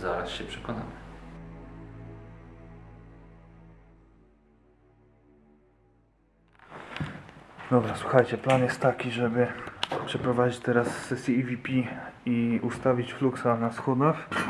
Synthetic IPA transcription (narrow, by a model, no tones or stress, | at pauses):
zaɾasɕɛpʂɛ̥kɔna̰mɘ | d̪ɔbɾaswuxajt͡ɕɛplanjɛst̪t̪ːakʲiʐɛbɘpʂɛpɾɔvad͡ʑit͡ɕt̪ɛɾasːɛsʲjiivʲipʲiiust̪avʲit͡ɕfluksanasxɔd̪ax